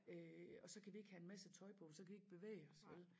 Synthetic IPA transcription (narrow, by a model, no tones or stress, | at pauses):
øɒ̽sɒ̽kʰæʋie̝ɡ̥hæe̝nmæsət͡sʰɒ̽ɪpʰɔ̽sɒkʰæʋieɡ̥̚b̥e̝ʋḛːɪɒ̽sʋel